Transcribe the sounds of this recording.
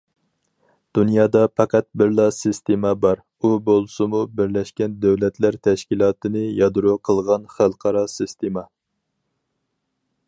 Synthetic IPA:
d̪̥unjɑːd̪ɑpʰɑqʰæt̪̚bɪɾlˠɑsɨst̪emɑbɑɾ | ubolˠsɨmubɪɾlɛʃkʲɛnd̪æwlɛt̪ʰlæɾt̪ʰɛʃkʲilˠɑːt̪ɨnɨjɑd̪uɾuqʰəlˠʁɑnχælˠqʰɑɾɑsɨst̪emɑ

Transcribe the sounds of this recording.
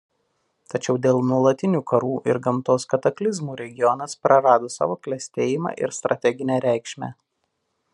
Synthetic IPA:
t̪ɐt͡ʃʲɛʊd̪ʲeːlˠnuɔlˠɐt̪ʲɪnʲuːkʰɐɾuːʔɪɾɡɐmt̪oːskɐt̪ɐklʲɪzmuːɾʲɛɡʲɪjɔnɐspɾɐɾɑːd̪oːsɑ̰ːʋoːklʲɛsʲt̪ʲeːjɪmɑ̰ʔɪ̰ɾst̪ɾʔɐt̪ʲɛɡʲɪnʲæːɾʲæˑɪkʃʲmʲæ̰ː

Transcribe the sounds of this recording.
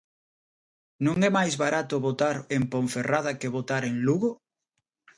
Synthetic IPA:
nũŋɛmajzβaɾat̪ʊβot̪aɾempõɱferað̞akeβot̪aɾeŋluɣo

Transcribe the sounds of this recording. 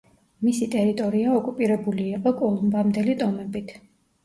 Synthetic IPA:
misit̪ʼɛɾit̪ʼɔɾiaɔkʼupʼiɾɛbuliːqʼɔkʼɔlˠumbamd̪ɛlit̪ʼɔmɛbit̪ʰ

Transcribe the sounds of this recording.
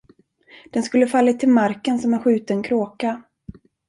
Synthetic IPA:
d̪̥ɛnskɵlːəfalːat̪ʰːɪlmaɾkənsɔmæɾɧʉ̟ːt̪ənkʰɾoːka

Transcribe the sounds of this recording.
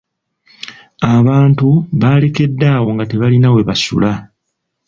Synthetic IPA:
aβaːntuβaːle̞ke̞dːaːwo̞ŋɡate̞βalinawe̞βasṵla

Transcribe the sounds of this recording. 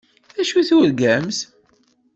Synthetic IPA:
æʃuθuɾɡæms

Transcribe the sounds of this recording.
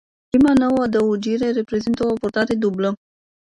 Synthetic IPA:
imanowad̪əud͡ʒiɾe̞ɾepɾe̞zint̪əopuɾt̪aɾed̪ublə

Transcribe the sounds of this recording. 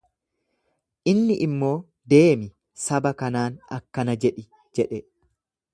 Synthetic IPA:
ʔɪnːɪʔɪmːo̞ː | d̪e̞ːmɪ | sɐbɐkɐnaːnɐ̰kːɐnɐd͡ʒɛᶑɪ | d͡ʒɛᶑɛ

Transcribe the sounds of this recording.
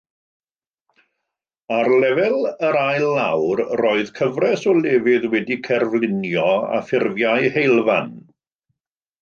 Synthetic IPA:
arlɛvɛlˠəɾajlˠːawrroːɨðkʰəvrɛsɔlˠɛːvɪðwɛdikʰɛrvlˠɪnjɔa̰fɪrvjajhejlˠvan

